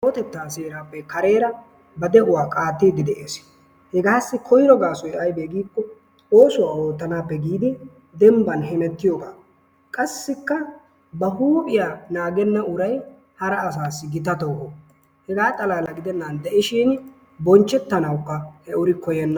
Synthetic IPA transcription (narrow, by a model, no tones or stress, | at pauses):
oːt̪ɛt̪ːaːseːɾaːpːɛkɐɾe̞ːɾɐ | bɐd̪ɛʔʊwaːkʼaːt̪ːeːd̪ɪd̪ɛʔeːs | hɛɡaːsːɪkʰɔjɾɔɡaːsɔjʔɐjbeːɡiːkːɔ | o̞ːsʊwaːo̞ːt̪ːɐnaːpːɛɡiːd̪ɪ | d̪ɛmbɐnɦɛmɛt̪ːɪjoːɡaː | kʼɐsːɪkːɐ | bɐɦuːpʼɪjaːnaːɡɛnːɐʊɾɐj | hɐɾɐːs̬aːsːɪɡɪt̪ɐt̪oːʔo | hɛɡaːt̪ʼɐlaːlɐɡɪd̪ɛnːɐnd̪ɛʔɪʃiːn | bɔnt͡ʃːɛt̪ːɐnɐwkːɐhɛʔʊɾɪkɔjɛnːɐ